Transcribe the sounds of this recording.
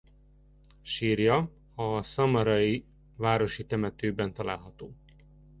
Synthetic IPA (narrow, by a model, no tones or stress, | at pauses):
ʃiːrjɒ | ɒsɒmɒɾɒji | vaːɾo̞ʃit̪ɛmɛt̪øːbɛnt̪ɒla̰ːlɦɒt̪oː